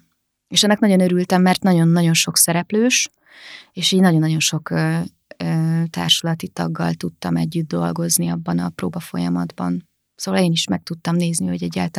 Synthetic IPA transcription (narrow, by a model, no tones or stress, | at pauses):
eːʃɒnːɒknɒɟo̞nøɾylt̪ɛmːɛrt̪nɒɟo̞nːɒɟo̞nʃo̞ksɛɾɛpløːʃ | eːʃiːɲnɒɟo̞nːɒdjo̞nʃo̞kː | øːt̪a̰ːrʃulɒt̪it̪ɒ̰ɡːɒ̰lt̪ut̪ːɒmɛɟːyd̪̚ːo̞̰lɡo̞zniɒbːɒnɒpro̰ːbɒfo̞̰jɒmɒd̪bɒ̰n | soːvɒleːniʃmɛk̚t̪ut̪ːɒmneːzniɦo̞ɟɛɟːaːlt̪